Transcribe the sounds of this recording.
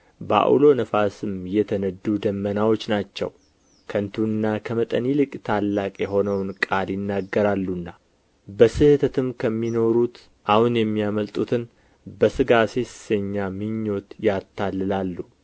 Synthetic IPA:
ba̰ʔṵlo̞nəfasɨmjɛt̪ʰənəd̪ːud̪əmːənawo̞t͡ʃːnat͡ʃːɛ̰w | kʰənt̪ʰuɨnːakʰəmət̪ʼənilɨkʼt̪ʰalːakʼjɛɦo̞nəwnkʼaljɪnːaɡːəɾalːunːa | bəsɨhɨt̪ʰət̪ɨmkʰəmːino̞ɾut̪ | ʔahunjɛmːijaməlt̪ʼut̪ʰɨn | bəsɨɡase̞ssəɲːamɨɲːo̞t̪jat̪ʰːalːɨlalːu

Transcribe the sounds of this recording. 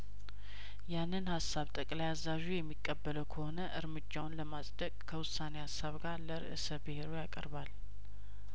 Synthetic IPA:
janːɨnhasːaβt̪ʼəkʼlajazːaʒujɛmːikʼːəbːələwkʰəho̞nəʔɨɾmɨd͡ʒːawʊnləmasʼd̪əkʼkʰəwʊsːanehasːaβɡaɾləɾɨ̰ʔɨsəbɨhe̞ɾojakʼə̰ɾbal

